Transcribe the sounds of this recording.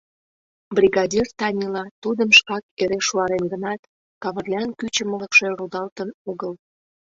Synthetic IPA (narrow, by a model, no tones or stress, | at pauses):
brʲiɣɑdʲirt̪ɑnʲilɑt̪ud̪əmʃkɑk̚eɾeʃuɑɾenɡə̆nɑt̪ | kɑβə̆rlʲɑnkyt͡ɕə̆mələkʃerud̪ɑlt̪ənoɣəl